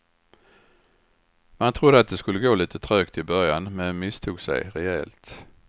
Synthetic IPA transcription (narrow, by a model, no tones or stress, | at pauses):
mant̪ʰɾʊd̪əat̪̚d̪ɛskɵlːəɡoːliːt̪ət̪ʰɾøːkt̪ɪbœɾjanmɛnmɪst̪ʰuːɡsɛ̰jɾɛɛ̰ːlt̪